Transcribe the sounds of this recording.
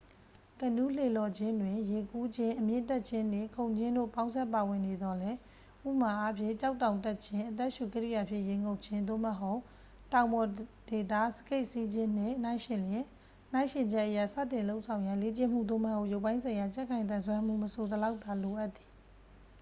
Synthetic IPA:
tə˨nu˦le˨lɔ˨d͡ʑɪ̃˦ndwɪ̃˨je˨ku˦d͡ʑɪ̃˦ʔəmjɪ̰̃˦˨ntɛ˦ʔ̚t͡ɕʰɪ̃˦ndɪ̃˦˨kʰõ˨ʊ̃ɲd͡ʑɪ̃˦ndo̰˦˨pã˦ʊ̃nsʰɛ˦ʔpa˨wɪ̃˨ne˨d̪ɔ˨lɛ˦ | ʔṵ˦ʔma˨ʔa˦pʰjɪ̰̃˦˨t͡ɕa˦ʊtã˨ʊ̃ntɛ˦t̚t͡ɕʰɪ̃˦ʔət̪̬ɛ˦ʔʃu˨kəɹḭ˦˨ja˨pʰjɪ̰̃˦˨jẽ˨ŋo˦ʊʔt͡ɕʰɪ̃˦nd̪o̰˦˨məɦo˦ʊʔ | tã˨ʊ̃mbɔ˨de˨t̪a̰˦˨sə̥ke˦ɪʔsi˦d͡ʑɪ̃˦n̥ɪ̰̃˦˨n̥ã˦ɪ̃ʃɪ̃˨ljɪ̃˨˦ | nã˦ɪ̃ʃɪ̃˨ɲd͡ʑɛ˦ʔːəja˦˨sä̰˦˨tɪ̃˨lo˦ʊʔsʰã˨ʊ̃ja˨le˦t͡ɕɪ̃˦˨m̥ṵ˦˨d̪o̰˦˨məho˦ʔjo˦˨ʊpːã˦ɪ̃sʰã˨ɪ̃ja˨t͡ɕɛ˦ʔkʰã˨ɪ̃nt̪̬ã˨nsʰwɛ̃˦m̥ṵ˦˨məso˨d̪əla˦ʊt̪ːa˨lo˨ʔa˦ʔt̪ːi̥˨

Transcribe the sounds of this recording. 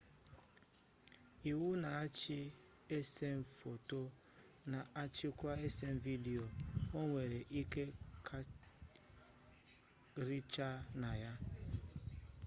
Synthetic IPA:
i˨wu˦na˨a˦t͡ʃɪ˦ | e˦se˦m̩˨fo˨to˦ | na˨a˦t͡ʃɪ˦kʷa˦e˦se˦ɱ̩˨vi˦di˨o˨o˦ŋʷe˨ɾe˨ʔi˦ke˦kʰa˦ | ɾi˦t͡ʃa˦na˨ja˦

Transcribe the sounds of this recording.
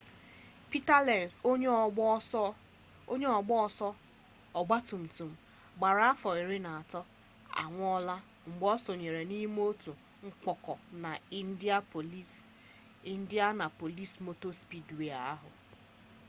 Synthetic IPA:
pi˦ta˦lɛ˨n˨so˦ɲ˦˨˦ | o˦ɲe˦ɔ˨ɡ͡bɔ˦˨sɔ˦ | ɔ˨ɡ͡ba˦tu˨m̩˨tu˨m̩˨ | ɡ͡ba˨ɾa˦a˦fɔ˨i˨ɾɪ˦na˨a˨tɔ˦ | a̰˨ŋʷ˦ɔ˦la˦ | ŋ͡m̩˨ɡ͡bɔ˦so˨ɲe˨ɾe˨ni˦m˦o˦tu˨ | ŋ̩˦k͡pɔ˨kɔ˨na˨i˦n̩˦di˦a˦po˨li˦s | i˦n̩˦di˦a˦na˨po˨li˦smo˨to˦spi˦dwe˨a˨a˦ɦʊ̰˨

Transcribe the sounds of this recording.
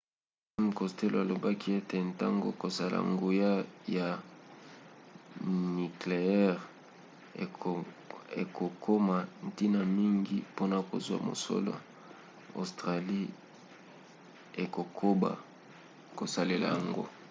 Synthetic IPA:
i˦m˨kɔ˨ste˦lo˨a˨lo˨ba˦ki˦e˦te˨nta̰˦ŋɡo̰˨ko˨sa˨la̰˨ŋɡo˨ja˦ja˨ | ni˨kle˨ɛ˦ʁ | e˨ko˨kʰo˦ma˨n˦˨ti˦na˨mi˦ŋɡi˦po˦na˨ko̰˨zwa̰˨mo̰˨so̰˦lo̰˨ | o̰˨stʁa˨li˦ | e˨ko˨kʰo˦ba̰˨ | ko˨sa˨le˨la̰˨ja˨ŋɡo̰˦

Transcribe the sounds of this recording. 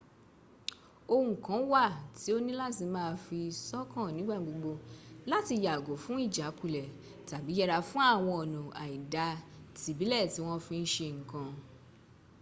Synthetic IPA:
o˧ũ˨kã˨˦wa˦˨ti˨˦o˦nĩ˦la˦ti˧mãː˦˧fi˧sɔ˦kã˦˨nĩ˨˦ɡ͡ba˦˨ɡ͡bo˧ɡ͡bo˧la˦ti˧ja˨ɡo˨˦fũ˨˦i˦˨d͡ʒa˨˦ku˦˨lɛ˨ | ta˨bi˨˦jɛ˧ɾa˧fũ˦a˦˨w̃ɔ̃˧ɔ˨nɔ̃˨a˨i˨da˨˦ti˨˦bi˨˦lɛ˦˨ti˨˦w̃ɔ̃˦fĩ˧n̩˦ʃe˧ŋ̩˨kã˧

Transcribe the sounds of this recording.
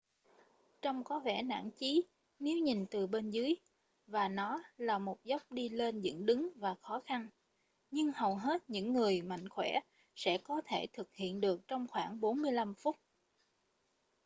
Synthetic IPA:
t͡ɕɔ˧wŋ͡mkɔ˨˦vɛ̰˧˩na̰ː˧˥˨nt͡ɕi˨˦ | ne˨˦wɲi˨˩nt̪ɨ˨˩ɓe˧nzɨ˨˦əj | vaː˨˩nɔ˨˦laː˨˩mo˨˩t̚zə˦˥wk͡p̚ɗi˧le˧nzɨ̰˧˥ŋɗɨ˨˦ŋvaː˨˩xɔ˨˦xa˧n | ɲɨ˧ŋhə˨˩wɦe˦˥t̚ɲɨ̰˧˥ŋːɨ˨˩əjma̰˧˨jŋ̟xwɛ˧˩ | sɛ̰˧˥kɔ˨˦t̪ʰe˧˩t̪ʰɨ˨˩k̚hḭ˧˨ənɗɨ˨˩ək̚t͡ɕɔ˧wŋ͡mxwaː˧˩ŋɓo˨˦nmɨ˧əjla˧mfʊ˦˥k͡p̚

